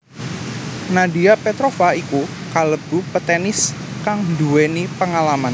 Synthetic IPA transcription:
nadiapɛt̪ɾofaikukaləb̥upət̪enɪskaŋduwɛnipəŋalaman

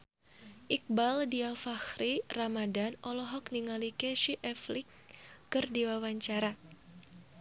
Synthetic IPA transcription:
ʔik̚baldiafaxɾiramadanɔlɔɦɔk̚niŋalikeʃiʔɛflɪkː | ɨrdiwawaɲt͡ʃaɾa

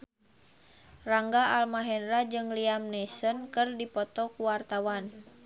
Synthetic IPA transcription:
raŋɡaalmaɦɛnɾad͡ʒɨŋliamnɛsənkɨrdipɔt̪ɔkuwart̪awan

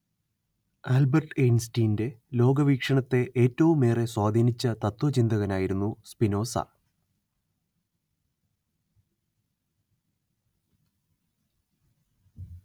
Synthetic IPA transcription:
albɐrʈejnstiːnde̞lo̞ːɡɐʋiːkʂɐɳɐt̪ːe̞ʔeːtːɐʋumːe̞ːre̞swaːd̪ʱiːnit͡ɕːɐt̪ɐt̪wɐt͡ɕind̪ɐɣɐnaːjiɾunːuspino̞ːsɐ̰

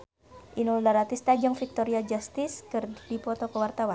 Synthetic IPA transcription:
ʔinɔldaɾat̪ist̪ad͡ʒɔŋfik̚t̪oɾiad͡ʒast̪ɪskərdipɔt̪okəwart̪awan

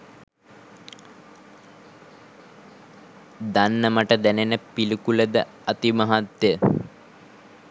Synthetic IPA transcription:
d̪anːəməʈəd̪ɛnenəpilikuləd̪ə | at̪imɐɦat̪ːjə

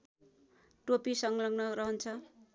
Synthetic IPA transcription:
ʈopisʌŋlʌŋnʌɾʌɦʌnt͡sʰʌ

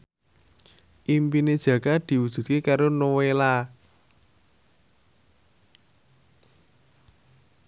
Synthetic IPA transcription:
ʔimpined̥ʒ̥ä̤ɡ̥ad̪̥i̤wud̥ʒ̥ṳt̪̚kekaɾonowela

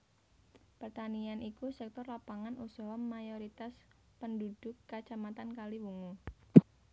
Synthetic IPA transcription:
pərt̪anianʔikusɛk̚t̪ɔrlapaŋanʔusɔɦɔmːajoɾit̪as | pəndud̥ʊkːat͡ʃamat̪ankaliwuŋu

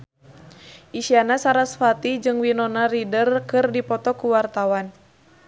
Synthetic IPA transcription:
ʔiʃianasaɾasfat̪id͡ʒɨŋwinɔnaridərkɨrdipɔt̪ɔkuwart̪awan

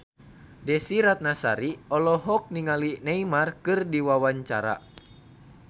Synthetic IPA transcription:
dɛsiɾat̪̚nasa̰ɾiɔlɔɦɔk̚niŋalinɛimarkɨrdiwawaɲt͡ʃa̰ɾa̰

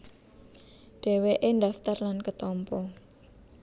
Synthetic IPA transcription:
ɖ̥e̤weʔenɖaft̪ərlankət̪ɔmpɔ

